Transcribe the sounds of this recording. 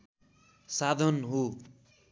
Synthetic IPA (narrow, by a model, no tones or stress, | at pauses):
sad̪ʱʌnɦo